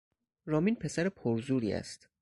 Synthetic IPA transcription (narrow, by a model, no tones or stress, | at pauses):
ɾɒːmiːnpʰe̞sæɾepʰoɾzuːɾḭːæ̰st̪